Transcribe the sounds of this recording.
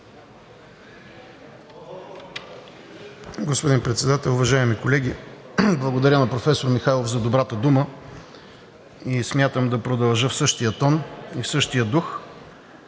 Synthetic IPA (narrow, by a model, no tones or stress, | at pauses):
ɡospod̪inpɾɛt̪sɛd̪at̪ɛlˠʊvɐʒaɛmikolɛɡʲi | blˠəɡod̪ɐɾʲənɐpɾofɛsoɾmixajlˠovzɐd̪obɾat̪əd̪umə | ismʲjat̪əmd̪ɐpɾod̪ɐlˠʒəfsɤʃt̪ijət̪ɔnifsɤʃt̪ijəd̪ux